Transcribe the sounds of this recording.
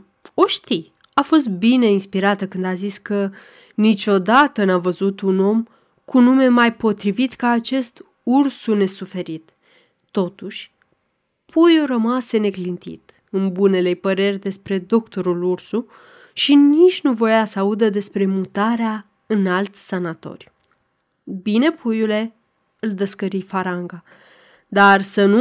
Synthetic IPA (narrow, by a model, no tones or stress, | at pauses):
oʃt̪i | afo̞s̬t̪̚bine̞inspiɾat̪əkɨnd̪aziskə | nit͡ʃʲo̞d̪at̪ənavəzut̪uno̞m | kunume̞majpo̞t̪ɾivit̪kaːt͡ʃe̞st̪ | ursune̞sufe̞ɾit̪ː | o̞t̪uʃʲ | pʰujoɾəmase̞ne̞klint̪ḭt̪ | ɨnbune̞le̞pəɾe̞rʲd̪e̞spɾe̞d̪o̞kt̪o̞ɾulursu | ʃinit͡ʃʲnuvo̞jasəaud̪əd̪e̞spɾe̞mut̪aɾea | ɨnalt̪ʲsanat̪o̞̰rj | bine̞pʰujule̞ | ɨld̪əskəɾifaɾaŋɡa | d̪arsənu